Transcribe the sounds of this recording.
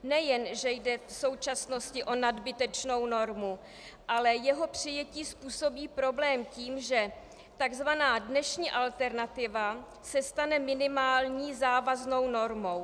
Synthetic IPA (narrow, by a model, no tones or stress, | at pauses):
nɛjɛnʒɛjdɛso̞wt͡ʃasno̞scɪʔo̞nadbɪt̪ɛt͡ʃno̞wno̞ɾmu | ʔalɛjɛɦo̞pr̝̥ɪjɛciːspuːso̞biːpɾo̞blɛːmciːmʒɛ | t̪aɡzvanaːdnɛʃɲiːʔalt̪ɛɾnat̪ɪva | sɛst̪anɛmɪnɪmaːlɲiːzaːvazno̞wno̞ɾmo̞w